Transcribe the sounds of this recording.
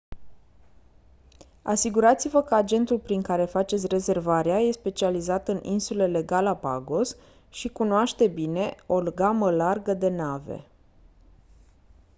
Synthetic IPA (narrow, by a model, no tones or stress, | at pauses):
a̰siɡuɾat̪sivəkəad͡ʒe̞nt̪ulpɾiŋkaɾe̞fat͡ʃet̪sʲre̞ze̞rvaɾeaje̞spe̞t͡ʃializat̪ɨninsule̞le̞ɡalapa̰ɡo̞s | ʃikunoaʃt̪e̞bine̞o̞lɡaməlarɡəd̪e̞nave̞̰